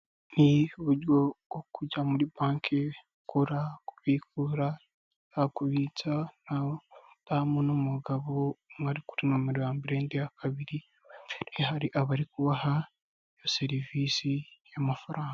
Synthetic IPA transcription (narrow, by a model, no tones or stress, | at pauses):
niuβuɾoɡ̥okuɟamuɾibaːŋkʰe | kuɾaku̥βiːkuɾa | akuβit͡sana | tamunomuɡaβomŋaɾiku̥ɾimomiɾjaːmbiɾeːndijakʰaβiɾi | ehaɾiʔaβaɾikuβaha | joseɾiviːsijamafaɾaːŋɡa